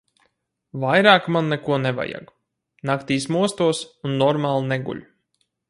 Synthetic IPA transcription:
vajɾaːkmanːɛkuɔnɛva̰ja̰ɡ | nakt̪iːsmuɔst̪uɔsunːɔɾmaːlˠnɛɡṵlʎʲ

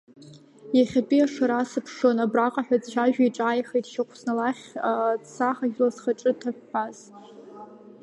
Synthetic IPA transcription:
jaχʲapʼiaʂaɾasɨpʰʂonabraqʼaħʷᶣad͡zʃʷʰaʒᶣaiʈ͡ʂʼaːjχejtʼʃaqʷʰsnalaχʲasaχaʒʲᶣlazχaʈ͡ʂʼɨtʰaħʷᶣːaz

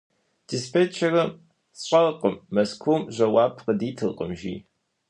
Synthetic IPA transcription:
d̥ɪspeːt͡ʃʰɐrɐm | sʼɐʁqʼəmːɐskʰʷuːmʑʷɐwɑːpʰqədiːtʰɨlqʼə̰mʒḭː

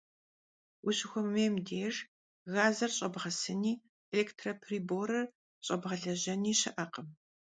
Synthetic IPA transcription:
wʊɕɪxʷʊmːeːmdeːr | ɣaːzɐrɕʼɐbʁɐsɨniː | eleːktʰrɐpʰriːboːɾɐr | ɕʼɐbʁɐɮɐʑɐniːɕɐʔɐqəm

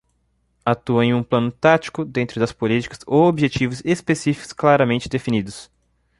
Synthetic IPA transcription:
at̪uɐẽj̃ũplɐ̃nʊt̪at͡ʃi̥kʊd̪ẽnt̪ɾʊd̪ɐspolit͡ʃi̥kɐsoobiʒet͡ʃivʊzespesifi̥kʊ̥sklaɾɐmẽnt͡ʃɪd̪efinid̪ʊs

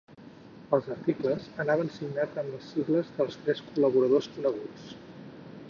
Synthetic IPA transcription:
əlˠzərt̪ikləzənaβənsiɡnad͡zəmləsːiɣləzðəlˠst̪ɾɛskuləβ̞uɾəðoskunəɣ̞ut͡s

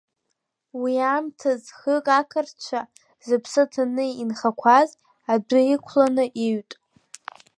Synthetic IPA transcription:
wiamtʰazχəkʼakʰɨrt͡ʃʷʰa | zɨpʰsɨtʰanɨinχakʷʰaz | adɨikʷʰlanɨʔiɥtʼ

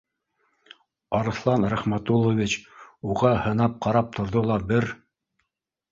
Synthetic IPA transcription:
ɑɾɤ̆θlˠɑnɾæχmæt̪ulˠːovʲit͡ɕuʁɑhɤ̆nɑp̚qɑɾɑp̚t̪ʰŏɾðolˠɑbɘɾ

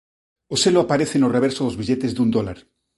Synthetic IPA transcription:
oseloapaɾeθenoreβ̞eɾsoðozβiʎet̪ezd̪und̪ola̰ɾ

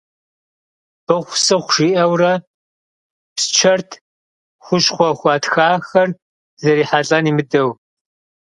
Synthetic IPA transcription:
bɨχʷsɨχʷʊʂiːʔɐwrɐ | pst͡ʃʰɐrtʰ | xʷʊɕχʷɔxʷɑːtxaːxɐr | zɐɾiːħaɬʼɐniːmɨdɐw

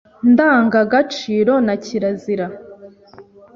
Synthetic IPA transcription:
ndaːŋɡaɡat͡ʃiːɾo̞naciɾaziɾa

